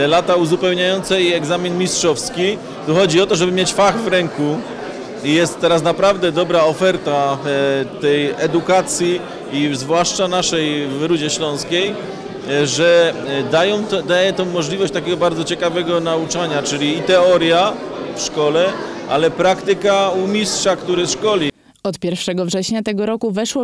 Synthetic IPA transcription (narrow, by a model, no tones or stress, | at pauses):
lat̪auzupɛwɲajɔnt̪sɛjɛɡzamʲinmʲistʂɔfskʲi | t̪uxɔd͡ʑiɔt̪ɔʐɛbɘmʲjet͡ɕfaɣvɾɛŋku | ijɛst̪ːɛɾas̬napɾavd̪ɛd̪ɔbɾaɔfɛɾt̪a | t̪ɛjɛd̪ukat̪sʲji | izvwaʂt͡ʂanaʂɛjvɾud͡ʑɛɕlɔ̃w̃skʲej | ʐɛd̪ajɔ̃w̃t̪d̪ajɛt̪ɔ̃w̃mːɔʐlʲivɔɕt͡ɕt̪akʲeɡɔbaɾd̪zɔt͡ɕɛkavɛɡɔnaut͡ʂaɲat͡ʂɘlʲiːt̪ɛɔɾja | fʂkɔlɛ | ʔalɛpɾakt̪ɘkaumʲistʂakt̪uɾɘʂkɔlʲi | ɔt̪pʲjɛɾfʂɛɡɔvʐɛɕɲat̪ɛɡɔɾɔkuvɛʂwɔ